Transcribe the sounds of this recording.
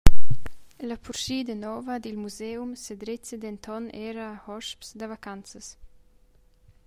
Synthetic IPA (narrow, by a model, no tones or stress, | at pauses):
ləpʰuɾʃiːd̪ənɔvɐd̪ilmuzeumsəd̪ɾet͡səd̪ɛnt̪ʰɔnɛːɾahɔʃpsd̪əvakant͡səs